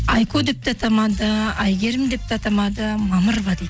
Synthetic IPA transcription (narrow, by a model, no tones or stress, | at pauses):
ajkʰod̪ep̚t̪ʰat̪ʰamad̪əajɡʲeɾɪmd̪ep̚t̪ʰat̪ʰamɑd̪əmaməɾbad̪i